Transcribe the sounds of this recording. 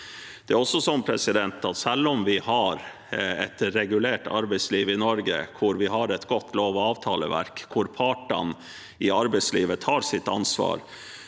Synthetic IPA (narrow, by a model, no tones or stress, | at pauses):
d̪̥ɛæɾɔsːɔsɔmpʰɾɛsɪd̪ɛnt̪ɑt̪sɛlːɔmʋɪhɑɾ | ɛ̰t̪ɾɛɡʉleːʈɑ̰ɾbɛɪsliːʋɪnɔɾɡə̰kʰʊɾʋɪɦɑɾɛt̪ɡɔt̪ʰːloːʋɔɑːʋt̪ʰɑːlə̰ʋæ̰ɾkːʰʊɾpʰɑːʈɑ̰n | ɪɑɾbɛɪsliːʋət̪ʰɑːɾsɪt̪ːɑnsʋɑ̰ːɾ